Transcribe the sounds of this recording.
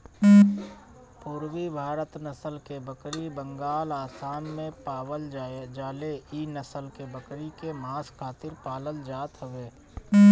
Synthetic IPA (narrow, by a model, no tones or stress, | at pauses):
pʊːɾwibʱaːɾət̪nəsəlkebəkɾibə̃ŋɡaːlaːsaːnmẽpaːwəld͡ʒaed͡ʒaːleinəsəlkebəkɾikemaːskʰaːt̪ɪɾpaːləld͡ʒaːt̪ɦəʋeː